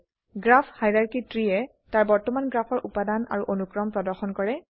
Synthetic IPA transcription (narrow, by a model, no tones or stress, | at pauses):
ɡɹapʰhajɹaɹkitɹiɛ | taɹbɔɹtɔmanɡɹapʰɔɹʔupadana̰ɹuʔonukɹɔmpɹɔdɔɹxɔnkɔɹɛ